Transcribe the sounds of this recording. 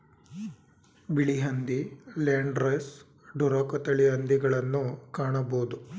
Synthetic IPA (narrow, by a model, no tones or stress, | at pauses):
biɭiɦɐnd̪ileːɳɖɾes | ɖuɾɐːkɐt̪ɐɭiɦɐnd̪iɡɐɭɐnːukaːɳɐboːd̪u